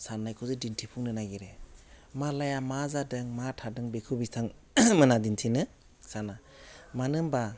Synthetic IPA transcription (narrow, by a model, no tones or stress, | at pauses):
sanːajkʰɯzɯdintʰipʰuŋnɯnaɡiɾe | malajamazadɯŋmatʰadɯŋbekʰɯbitʰaŋmɯnadintʰinɯ | sana | manɯmba